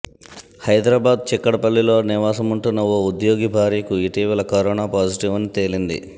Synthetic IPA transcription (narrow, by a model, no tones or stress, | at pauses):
hɐjd̪ɾaːbaːd̪̚t͡ʃɛkːɐɽɐpɐlːilo̞ːniʋaːsɐmuɳʈunːɐoːud̪jo̞ːɡibʱaːɾijkuiʈiːʋɐlɐkɐɾɔːnaːpaːd͡ʒiʈiʋɐnit̪e̞ːlind̪ḭ